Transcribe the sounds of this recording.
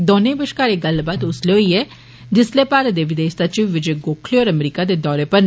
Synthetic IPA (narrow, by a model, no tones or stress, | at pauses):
d̪oːnẽːbəʃkaːɾeːɡəlbaːt̪ʊsleɦoiɛː | d͡ʒɪsleːpaːɾəd̪eːʋɪd̪eːʃsət͡ʃiʋːɪd͡ʒeɡoːkʰleɔːɾəmɾiːkad̪eːd̪ɔːɾeːpəɾn